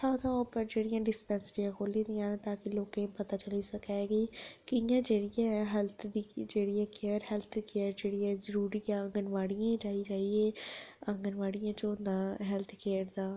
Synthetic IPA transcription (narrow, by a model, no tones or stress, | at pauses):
hãːt̪ʰãopəɾd͡ʒeːɽɪjãːɖɪspɛ̃ːnsəɾijãːkʰoːlĩd̪ɪjãːnːt̪aːkɪloːkẽpət̪aːt͡ʃəliːsəkaːeːɡiːkɪjãːd͡ʒeːɽɪjãːɛɦɛlt̪ʰd̪iːd͡ʒeːɽiaːkeəɾɦɛlt̪ʰkeːəɾd͡ʒeːɽɪjãːzəɾuːɾiːjãə̃ŋɡənʋaːɽijãːd͡ʒaːiːd͡ʒaːieːə̃ŋɡənʋaːɽijãːt͡ʃõd̪aːɦɛlt̪ʰkeːəɾd̪aː